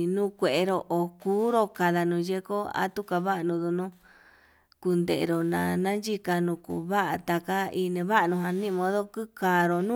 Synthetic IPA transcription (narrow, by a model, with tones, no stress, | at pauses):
nũ˦kʷe˨e˧ɾo˧ʔo˨kuː˦ɾo˧ka˨ða˧nũ˧je˧ko˦a̰˦t̪u˦ka˧βa˦ʔnũ˧ðu˧nũ˦ | ku˧nd̪e˨ʔɾo˨nã̰˧˨nã˦nd͡ʒi˦ka˧nũ˧kṵ˧˨βa˦ʔa˧t̪a˨ka˦i˧nẽ˧βa˦ʔa˧nũ˧ɦa˧nĩ˦˧mõ˧ðo˦ku˦kaː˨ɾo˨nũ˦